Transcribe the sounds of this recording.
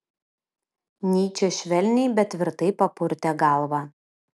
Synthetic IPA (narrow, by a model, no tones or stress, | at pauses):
nʲiːt͡ʃʲɛʃʲʋʲɛlʲnʲɛɪbʲɛt̪ʲʋʲɪɾt̪ɐɪpɐpʊɾʲt̪ʲɛɡɑˑlˠʋɑː